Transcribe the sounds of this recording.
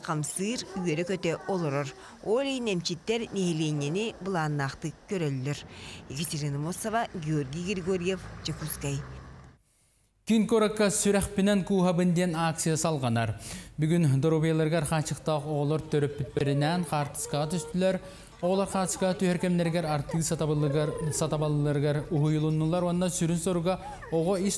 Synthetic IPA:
qʰɑmsɯːɾyjeɾekøt̪øolˠoɾoɾ | oːlʲejnemt͡ʃit̪ːeɾneɦelʲenʲenibɯlˠɑːnːɑːqt̪ɯkøɾølyløɾekat̪ʲeɾinamosovaɡʲiorɡʲijɡrʲiɡoɾʲijefd͡ʒekuskaj | kiŋkoɾokːasyɾæχpinænkuːɦabɯnd̪enak̚t̪sɨjasɑlˠʁɑnɑɾbyɡynd̪oɾubijɑlˠɑɾɡɑɾχɑːt͡ʃɯqt̪ɑqoʁlˠoɾt̪ʰøɾøpːyt̪̚peɾinɛnqʰɑːɾt̪ɯ̥sqɑʁɑt̪ʰyst̪ylæɾ | oʁlˠɑɾqɑːt̪ɯ̥ʃkɑɑt̪yheɾkemneɾɡeɾɑɾt̪ɯ | sɑt̪ɑbˠɑɾɡeɾuɦujulˠunːulˠɑɾuanːɑsyɾynsoɾuʁɑ | oʁoiʃ

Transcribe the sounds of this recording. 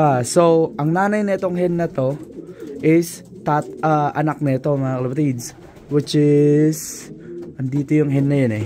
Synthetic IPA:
asowʔɐŋnaːnɐjnɐɪt̪o̞ŋɦɛnːɐt̪o̞ʔɪs | t̪at̪ʔaʔɐnak̚nɐɪt̪o̞mɐŋakɐlɐpɐt̪id̪ | wɪt͡ʃɪsʔɐnd̪iːt̪ojʊŋɦɛnːɐjonɛ

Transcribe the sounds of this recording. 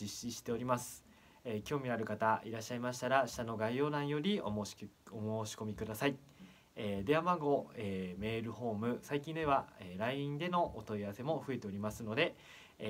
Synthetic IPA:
iɕiɕi̥t̪e̞o̞ɾʲimasɨ̥ | ekʲo̞ːmʲiaɾɯ̟kat̪aiɾaɕːaimaɕi̥t̪aɾaɕi̥t̪ano̞ɡaio̞ːnãɰ̃jo̞ɾʲi | omoːɕi̥ko̞mʲikɯ̟d̪asai | eːd̪e̞amaɡo̞eːme̞ːɾɯ̟ho̞ːmɯ̟saikʲĩnd̪e̞βaeɾaiĩnd̪e̞no̞ʔot̪o̞iaβase̞mo̞ɸɯ̟e̞t̪e̞o̞ɾʲimasɨno̞d̪e̞

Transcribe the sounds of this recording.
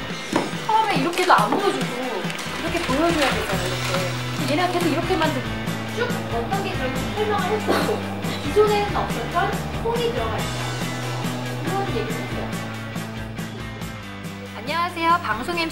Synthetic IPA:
t͡ɕʰʌʌmeiɾʌkʰesʰoamuɡʌd͡ʑuɡo | iɾʌkʰe̞pojʌd͡ʑojadwendaiɾʌkʰe | jenekʰesʰoiɾʌkʰe̞mandɯ | ʌkʰ | ʌt͈ʌnɡet͡ɕʌɭmsʰʌɭmjaŋɯɭɦas͈uɡo | kisʰonenɯnʌms͈ʰʌtʰʌnpʰoɡitɯɾʌɡaɭt͈a | iɾʌnjeɡiaeʌ | aɲːʌŋasʰejʌpaŋsʰoŋe

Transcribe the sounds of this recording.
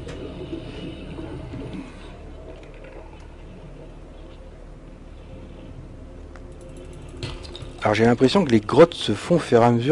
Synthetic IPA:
aɔʁʒelɛ̃pχesjɔ̃kəleɡʁɔt̪səfɔ̃fɛʁaməzy

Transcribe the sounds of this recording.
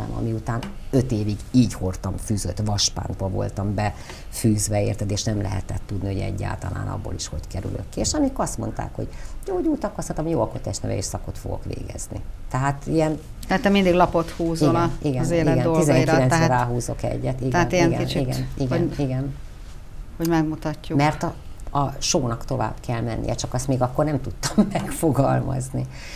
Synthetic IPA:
ɛ̰mɒ̰miut̪aːnø̞t̪eːviɡiːɟho̞rt̪ɒɱfyːzøt̪ʋɒʃpa̰ːnd̪bɒvo̞lt̪ɒmbɛ | fyːzʋɛeːrt̪ɛd̪eːʃnɛmlɛɦɛ̰t̪ɛt̪ːud̪nioɟɛ̰ɟːa̰ːlt̪ɒla̰ːnɒ̰bːoːliʃho̞ckɛɾy̰lʔøkːieːʃɒmikɒst̪mo̞nt̪a̰ːkhoɟjoːɟuːt̪ɒkɒst̪ɒt̪ɒmjoːɒkot̪ɛʃt̪nɛvɛ̰eːʃsɒko̞t̪fo̞̰ɡo̞̰kʋḛːɡɛz̥nḭt̪ɛɦaːt̪iɛn | t̪ɛat̪ːɛmind̪iɡlɒpot̪huːziɡoiɡɛzeːliɡɛnoizɛŋikilɛnːɾaːɦuːzo̞kɛ̰ɟːɛt̪iɡtɛant̪iɛnɡɛkint͡ʃiiɡɛ̰niɡiɡɛn | hoɟmɛɡmut̪ɒcːumɛrt̪ɒ | ɒʃoːnɒkt̪o̞va̰ːbkɛlmɛnːḭjɛt͡ʃɒkɒst̪meːɡɒkːornɛmt̪ut̪ːɒmːɛkfo̞ɡɒlmɒ̰zni

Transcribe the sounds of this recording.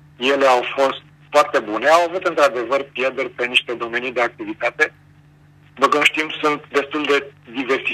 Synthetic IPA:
je̞le̞awfo̞st̪̚ | foart̪e̞bune̞awavut̪ɨnt̪ɾad̪e̞vərpjerd̪erʲpe̞niʃt̪e̞d̪o̞me̞nid̪e̞ak̚t̪ivit̪at̪e̞ | b̪ukumʃt̪imsunt̪̚d̪e̞st̪uld̪e̞d̪iversi

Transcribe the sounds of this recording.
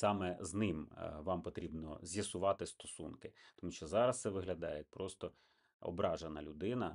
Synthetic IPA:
sɑmɛznɪmʋɑmpɔt̪ɾʲibnɔ̰zʲjɐsʊʋɑt̪ɪst̪ɔsṵnkɪt̪ɔmuʃt͡ʃɔzɑɾɐst̪sɛʋɪɦlʲɐd̪ɑjɛt̪̚ʲpɾɔst̪ɔ | ɔ̰bɾɑʒenɐlʲʊd̪ɪnɐ̰

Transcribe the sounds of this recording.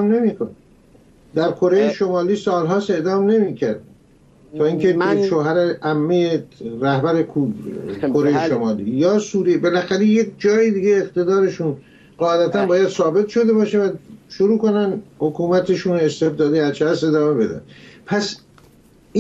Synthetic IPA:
mne̞miːkʰone | d̪æɾkʰo̞ɾejeʃomɒːliːsɒːlɦɒːse̞ʔd̪ɒːmne̞miːkcʰæɾd̪̚ | t̪ʰɒːiŋkʰeʃoːɦæɾeæmːejeɾæhbæɾekʰubkʰoɾejeʃomɒːlḭːjɒːsuːɾebe̞læxæɾe̞jekʰd͡ʒɒːjiːd̪iːɡeːqt̪e̞d̪ɒːɾe̞ʃun | ɢɒːed̪æt̪ʰænbɒːjæd̪̥sɒːbe̞t̪ʃo̞d̪e̞bɒːʃevæʃoɾuːko̞nænhokʰuːmæt̪ʰeʃuːnest̪e̞bd̪ɒːd̪eæzt͡ʃʰæse̞d̪ɒːme̞be̞d̪æ̰npʰæs | i

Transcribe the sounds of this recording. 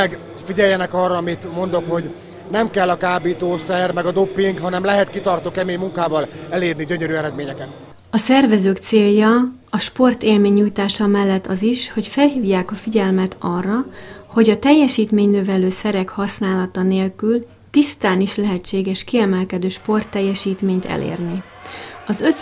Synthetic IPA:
ɛɡ | fiɟɛjːɛnɛkɒrːɒɒmit̪mo̞nd̪okho̞ɟ | nɛmkɛlːɒkaːbiːt̪oːsɛrmɛɡɒd̪o̞pːiŋkɦɒnɛmlɛɦɛt̪kit̪ɒrt̪oːkɛmeːɲmuŋkaːvɒlɛleːrniɟøɲøɾyːɛɾɛd̪meːɲɛkɛt̪ | ɒsɛrvɛzøːkt̪seːljːɒ | ɒʃpo̞rt̪eːlmeːɲːuːjt̪aːʃɒmɛlːɛt̪ːɒziʃho̞cfɛlɦiːvjaːkɒfiɟɛlmɛt̪ʰɒrːɒho̞ɟɒt̪ɛjːɛʃiːt̪meːɲnøvɛløːsɛɾɛkhɒsnaːlɒt̪ɒneːlkyl | t̪ist̪aːniʃlɛɦɛt͡ʃːeːɡɛʃkiɛmɛlkɛd̪øːʃpo̞rt̪ːɛjːɛʃiːt̪meːɲt̪ʰɛ̰lʔḛːrni | ɒzøt̪

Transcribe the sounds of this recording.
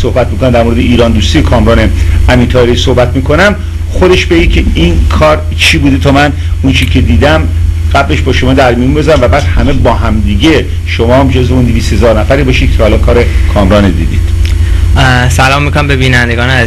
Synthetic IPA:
sohbæt̪̚mikonæmd̪æɾmoɾe̞d̪eʔiːɾɒːnd̪uːst̪iːjekʰɒːmɾɒːneæmiːɾt̪ʰɒːeɾiːsohbæt̪miːkʰo̞næm | xod̪e̞ʃbeicʰeinkʰɒːɾ | t͡ʃʰiːbud̪et̪ʰɒːmæn | unt͡ʃʰiːcʰe̞d̪iːd̪æmɢ̥æble̞ʃbɒːʃo̞mɒːd̪æɾmijunbe̞zɾæmvæbæːd̪hæme̞bɒːɦæmd̪iːɟe | ʃomɒːmd͡ʒozveund̪eviːst̪he̞zɒːɾnæfæɾiːbɒːʃiːd̪̥̚kʰɒhælɒːnkʰɒːɾekʰɒːmɾɒːned̪ḭːd̪ḭd̪̥ | sælɒːmːikʰoæmbebiːnænd̪eɡɒːnæ

